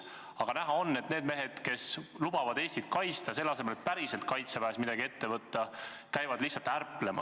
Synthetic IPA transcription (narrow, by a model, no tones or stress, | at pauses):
ɑɡ̥ɑnæɦɑo̞nːe̞t̪ne̞ːd̪̥me̞ɦe̞d̪̥ke̞slub̥ɑvɑd̪̥e̞ːsʲt̪it̪̚kɑjst̪ɑse̞lːɑse̞melpæɾise̞lt̪̚kɑjt̪sebæːsmid̪ɑɡiet̪ːe̞vɤt̪ːɑ | kæjvɑd̪lihsːɑlt̪ærpːˑlemɑ̰